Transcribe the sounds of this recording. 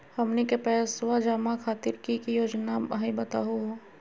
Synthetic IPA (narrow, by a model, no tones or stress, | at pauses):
hɐmnekepɛːswad͡ʒaːmakʰaːt̪ɪɾkikijoːd͡ʒnamɦebɐt̪a̰ɦoɦo